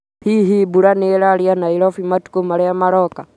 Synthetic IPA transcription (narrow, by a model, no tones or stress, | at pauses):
hiɦibuɾanɛɛlalianailɔfimatu̥kumaɾɛjamaɾɔka